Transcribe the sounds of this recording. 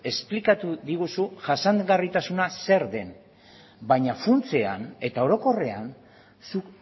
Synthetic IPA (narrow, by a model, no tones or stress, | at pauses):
e̞splikat̪uðiɣusuʝasaŋɣarit̪asunase̞ɾðe̞n | baɲafunt͡se̞a̰ne̞t̪ao̞ɾo̞ko̞re̞an | suk